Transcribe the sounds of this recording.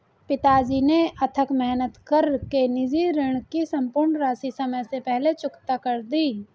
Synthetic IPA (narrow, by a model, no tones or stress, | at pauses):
pɪt̪aːd͡ʒineʔɐt̪ʰəkmɛɦnət̪kəɾkenɪd͡ʒiɾɪɽ̃kisɐ̃mpʊɾɳɾaːsisɐməjsepɛɦlet͡ʃʊkt̪akɐɾd̪iː